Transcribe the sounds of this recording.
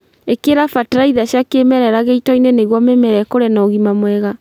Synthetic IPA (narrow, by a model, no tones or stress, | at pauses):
ekeɾafatɾaiðaɕjakemɛɾɛɾaɣeitɔineneɣwamɛmɛɾɛkoɾɛnɔɣimamwɛɣa